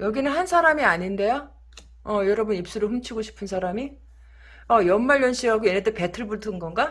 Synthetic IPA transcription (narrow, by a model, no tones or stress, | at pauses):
jʌɡinɯnhansʰaɾamiaɲinde̞jo | ʌjʌɾʌbunip̚s͈uɾoɸɯmt͡ɕʰiɡoɕʰi̥pʰɯnsʰaɾami | ʌjʌnmaɭjʌnɕ͈ʰiɦaɡojenet͈ʰepe̞tʰɯɭbutʰɯnɡʌnɡa